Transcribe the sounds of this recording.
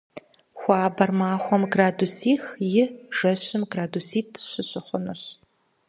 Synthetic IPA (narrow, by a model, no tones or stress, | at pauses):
xʷɑːbɐrmaːχʷɔmɡraːdusiːxjɪʒ̥ɐɕɪmɡraːdusiːtʰɕɪɕɪχʷʊnɨɕ